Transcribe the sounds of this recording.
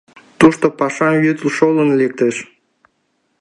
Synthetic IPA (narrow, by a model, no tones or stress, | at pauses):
t̪uʃt̪opɑʃɑjyt̪lʃolənlek̚t̪eʃ